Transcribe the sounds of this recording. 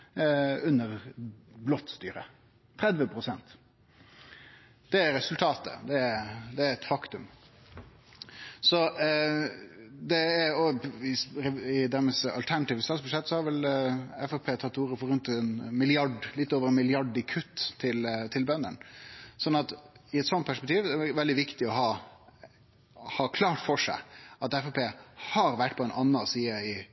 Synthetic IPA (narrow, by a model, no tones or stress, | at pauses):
ʉnːəɾblɔt̪st̪y̰ːɾə̰ | ɾɛd̪ʋəpʰɾʊsɛnt̪ | d̪̥ɛæɾɛsʉlt̪ʰɑːt̪ə̰d̪ɛæɾd̪ɛæɾɛt̪fɑkt̪ʉm | sɔ | d̪ɛæɾɔɪɾɛɪd̪æɾmɛsɑ̰lt̪ʰæɳɑt̪iːʋəst̪ɑt̪sbʉʂɛt̪ːsɔhɑɾʋɛlɛfɑpʰeːt̪ʰɑt̪ːuːɾəfɔɾʉnt̪ɛnmɪlɪɑɖlɪt̪ːoːʋəɾɛnmɪlɪɑɖɪkʰʉt̪ʰːɪlt̪ʰɪlbœnːənsɔnːɑt̪ɪɛt̪sɔnt̪̚pæʂpɛk̚t̪ʰiːʋɛʋɛld̪ɪʋɪkt̪ɪɔɦɑː | hɑːkʰlɑːʈfɔʂæ̰ɪɑt̪ɛfɑpʰeːhɑɾʋæʈːpʰɔɛnʔɑnːəsiːəɪ